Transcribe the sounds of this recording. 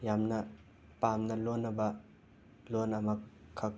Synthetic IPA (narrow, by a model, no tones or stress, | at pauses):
jamnɐ | pamnɐlonːɐbɐ | lonɐmɐkkʰːɐk̚